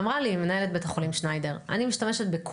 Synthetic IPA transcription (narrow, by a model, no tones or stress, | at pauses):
mʁalimenae̞let̪̚betaχolimʃnajdeʁa̰nimiʃtame̞ʃet̪̚bekʰ